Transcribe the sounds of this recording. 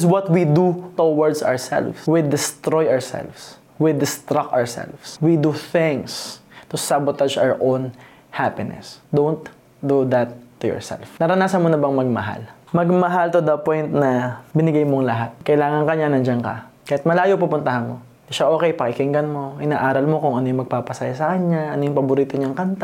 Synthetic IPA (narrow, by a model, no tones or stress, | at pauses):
swɔt̪wid̪ut̪owɐɹd̪sɐ̰ɹsɛ̰lfswid̪ɪst̪ɾojɐɹsɛ̰lvs | wid̪ɪst̪ɾakɔɹsɛ̰lvswid̪uθɪ̃ŋst̪ʊsabot̪ad͡ʒa̰ɹʔown | hapɪnɛ̰sd̪ont̪̚ | d̪ud̪ɐt̪ːʊjɔ̰ɹsɛ̰lfnɐɾɐnaːsɐnmonɐbɐŋmɐɡ̚mɐ̰ɦa̰lmɐɡ̚mɐɦalt̪ʊd̪ɐpõjnt̪nɐbɪnɪɡajmoŋlɐɦat̪̚kɐʔɪlaːŋɐŋkɐɲanɐnd͡ʒɐnkɐ̰ | kɐjat̪mɐlaːjopupʊnt̪ɐhɐnmo̞ | d̪ɪʃaʔo̞ːkɛjpɐkɪkɪŋɡɐnmo̞ʔɪnaːʔaːɾɐlmo̞kʊŋʔɐnojʊŋmɐɡ̚papɐsajɐsɐkɐɲaʔɐnojʊŋpɐbʊɾiːt̪oɲaŋkɐnt̪a